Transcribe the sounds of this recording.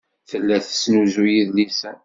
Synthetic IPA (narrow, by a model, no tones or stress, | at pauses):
θəlːæθə̥snuzujiðlisæ